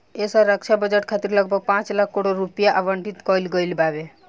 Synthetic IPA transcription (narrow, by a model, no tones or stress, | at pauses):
esaɾəkʃabəd͡ʒəʈkʰat̪iɾləɡ̚bʱəɡ̚pãːt͡ʃlakʰːoɽoɾupijaʔaʋəɳʈit̪kɔilɡɔilbʱaʋe